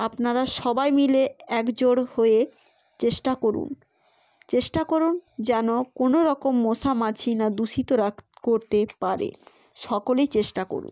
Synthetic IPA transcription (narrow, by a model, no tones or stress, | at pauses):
apnaɾaʃɔbajmileɛkd͡ʑoɽhoe | t͡ɕeʃʈakoɾṵn | t͡ɕeʃʈakoɾund͡ʑɛnokonoɾɔkomːoʃamat͡ɕʰinad̪uʃit̪oɾakkoɾt̪epaɾḛ | ʃɔkolet͡ɕeʃʈako̰ɾṵn